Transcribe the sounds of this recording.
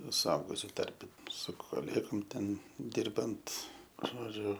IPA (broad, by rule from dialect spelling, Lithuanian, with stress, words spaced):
sʊˈɐʊɡʊsʲʊ ˈtɐrʲpʲɛ sʊ koːˈlʲeːɡoːm ˈtʲɛn ˈdʲɪrbɐnt ˈʒoːd͡ʒʲʊ